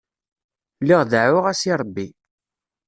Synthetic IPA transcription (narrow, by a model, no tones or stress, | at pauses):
lːiʁðʕʊʁæsiɾˤəbːi